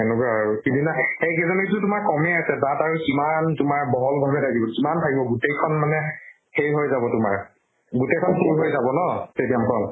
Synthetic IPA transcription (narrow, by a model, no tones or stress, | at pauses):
ɛnukaaɹukidinaejkezɔnetʊtʊmaɹkɔmɛasɛtataɹukimantʊmaɹbɔɦɔlbʱabɛtakibɔkimantʰaɡibɔɡutejkʰɔnmanɛ | hejɦojzabɔtʊma̰ɹ | ɡutejkʰɔnpuɹɦojzabɔnɔsedijamkʰɔn